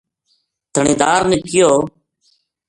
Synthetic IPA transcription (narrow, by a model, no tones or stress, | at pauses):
t̪ʰəɳĩːd̪aːɾniːkɪjoː